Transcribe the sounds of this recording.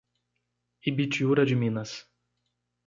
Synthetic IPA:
ibit͡ʃiuɾɐd͡ʒɪmĩnɐs

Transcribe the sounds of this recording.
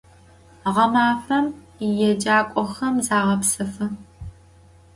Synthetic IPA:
ʁɐmaːfɐm | ijɛd͡ʒaːkʷʼɔxɐmzaːʁɐpsɨfɨ

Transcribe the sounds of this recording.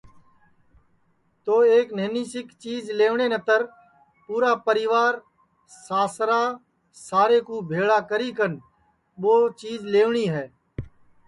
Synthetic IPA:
t̪oːeːkneːniːsɪkt͡ʃiːzleːʋɳeːnət̪əɾ | puːɾaːpəɾɪːʋaːɾ | saːsɾaː | saːɾeːkuːbʱeːɭaːkəɾiːkən | ɓoːt͡ʃiːzleːʋɳiːɦɛː

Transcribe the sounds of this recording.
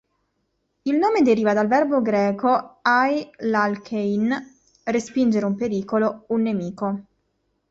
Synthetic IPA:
ilnoːmed̪eɾiːvad̪alvɛrboɡɾɛːkʰoajlalkʰejn | respind͡ʒeɾeumpeɾiːkolounːemiːko

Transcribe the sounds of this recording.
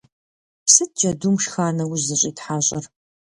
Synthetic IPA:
psɨt̚d͡ʒʼɐdumʃxaːrnɐwʊʑɨɕʼiːtħaːɕʼɐr

